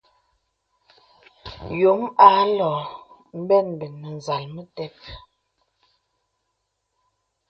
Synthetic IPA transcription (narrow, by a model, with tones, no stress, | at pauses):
jo˨˦ma˨˦lɔː˨ | m̩˦bɛ˦˨n˨bɛ˨nːə˨n˨za˨lmə˦tɛ˦p̚